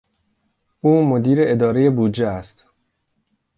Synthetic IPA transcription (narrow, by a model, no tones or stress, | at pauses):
ʔuːmod̪iːɾeʔed̪ɒːɾeje̞buːd͡ʒeæst̪